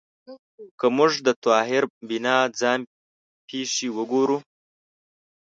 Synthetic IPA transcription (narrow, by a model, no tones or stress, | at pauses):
kəmʊʐd̪ət̪ɑːɦɪɾbɪnɑd͡zɑːn | pʰeːʂiwəɡoɾu